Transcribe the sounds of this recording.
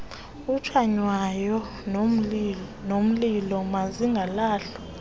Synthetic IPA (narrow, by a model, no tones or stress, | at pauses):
ut͡ʃʰwaɲwajɔ | nom̩lilɔmaziŋɡʱalaːɬɔ̥